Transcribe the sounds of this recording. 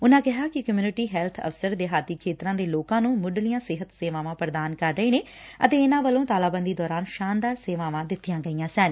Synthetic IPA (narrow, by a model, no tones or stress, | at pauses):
ʊnãːkɪɦaːkɪkəmjuːnɪʈiːɦɛːlt̪ʰə̰fsəɾd̪eːɦaːt̪iːkʰeːt̪ɾãːd̪eːloːkãːnũːmʊɖlɪjãːsɪɦət̪seːʋãːʋãːpɾd̪aːnkəɾːəiːneː | ət̪eːɪnãːʋəlõːt̪aːlaːbənd̪iːd̪ɔːɾaːnʃaːnd̪aːɾseːʋãːʋãːd̪ɪt̪ʰːɪjãːɡəijãːsɛːn